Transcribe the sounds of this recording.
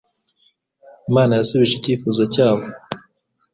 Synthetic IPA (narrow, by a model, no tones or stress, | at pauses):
maːnajasuβiʒiciːfuːzacaːβo